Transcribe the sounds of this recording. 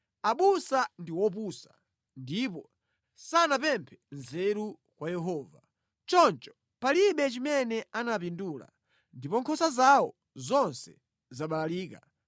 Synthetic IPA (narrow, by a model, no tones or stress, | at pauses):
aɓusandiwɔp̬usḁ | ndipɔ | sanapɛmpʰɛ̥nzɛɾu | kwajɛɦɔːva | t͡ʃɔnt͡ʃɔ̥ | paliɓɛt͡ʃimɛnɛanapinduːla̰ | ndipɔŋkʰɔsazaɔ̰ | zɔnsɛ̥ | zaɓalaliːka̰